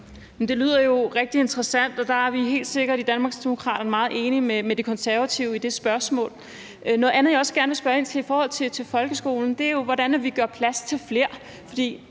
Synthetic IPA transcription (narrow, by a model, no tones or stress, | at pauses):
mend̥e̝ly̰ð̞̰ˠɐjo̝ʁɛɡ̥̚d̥ie̝nd̥ʁɐsæn̰d̥ɒ̽d̥ɑ̈æɐʋiɦe̝̰ːld̥se̝ɡ̥ɐɾ̥id̥ænmɑ̈ːɡsd̥emo̝kʰʁɑ̰̈ːɾ̥ɐnəmɑ̈ːð̩ˠʔe̝ːnimemed̥e̝kʰɒ̽nsæɐʋæt͡sʰiʊid̥e̝sb̥ɶɐsmɔ̰̽ːl | nɔ̽ð̩ˠænð̩jɒ̽sɡ̥æɐnʋe̝lsb̥ɶːɐe̝nt͡sʰe̝ifɒːhɒ̽l̰t͡sʰe̝t͡sʰe̝lfɒ̽lɡ̥əsɡ̥o̝̰ːln̩d̥e̝æɐjo̝ʋɒɾænæʋiɡ̥ɶɐpʰlæst͡sʰe̝lfle̝ɐ̰ | fɒ̽d̥ḭː